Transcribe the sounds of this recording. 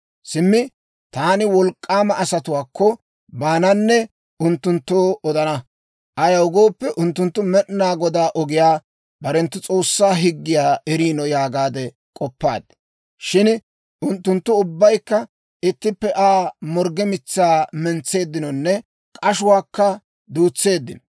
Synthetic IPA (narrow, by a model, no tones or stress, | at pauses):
sɪmːɪ | t̪aːnɪwɔlkʼːaːmɐʔɐsɐt̪ʊwaːkːɔ | baːnɐnːɛ | ʊnt̪ːʊnt̪ːoːɔd̪ɐnɐ | ʔɐjɐwʊɡoːpːɛʔʊnt̪ːʊnt̪ːʊmɛɗnaːɡɔd̪aːʔɔɡɪjaː | bɐɾɛnt̪ːʊt͡sʼo̞ːsːaːɦɪɡːɪjaːɛɾiːnɔjaːɡaːd̪ɛ | kʼɔpːa̰ːd̪ | ʃɪn | ʔʊnt̪ːʊnt̪ːʊʊbːɐjkːɐ | ɪt̪ːɪpːɛʔaːmɔɾɡɛmɪt͡sːaːmɛnt͡sːe̞ːd̪ːɪnɔnːɛ | kʼɐʃʊwaːkːɐ | d̪uːt͡sːe̞ːd̪ːɪnɔ